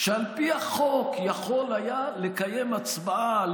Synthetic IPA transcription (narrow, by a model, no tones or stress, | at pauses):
ʃealpiaχokjaχo̞lajalekajemat͡sbaa